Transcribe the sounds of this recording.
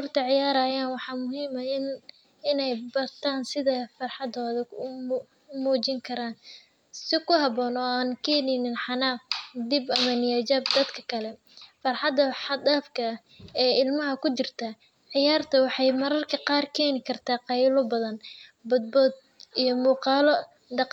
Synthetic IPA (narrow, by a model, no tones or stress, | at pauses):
ʊrt̪ʰɐʕɪjaːɾɐːjaːnwɑħɑːmʊɦiːmɐɪn | ɪnɛjbɐrt̪ʰaːnsɪðɐfɑrħɑd̪ɔːðɐʊ | muːt͡ʃɪŋkʰɐɾaːn | sɪkʰʊɦɐβɔːnɔːaːnkʰɛːnɛnɪnħɑnaːfd̪ɪbɐmɐnɪjɐd͡ʒaːbd̪ɐd̪kʰɐ̥kʰɐlɛ | fɑrħɑd̪ɐħɑd̪aːfkʰɐɐ | ɛːɪlmɐɦɐkʰʊt͡ʃɪrt̪ʰɐ | ʕɪjaːrt̪ʰɐwɑħɑjmɐɾɐrkʰɐqɑːrkʰɛːnɪkʰɐrt̪ʰaːqɑjlɔbɐðɐnbʊd̪̚bɔːd̪̚ | ijɞmuːqɑːlɔ | d̪ɑq